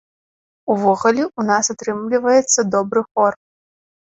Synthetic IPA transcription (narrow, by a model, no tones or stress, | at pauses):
uvɔɣulʲɛʔunasat̪ɾɨmlʲivɐjɛt̪sːɐd̪ɔbɾɨxɔr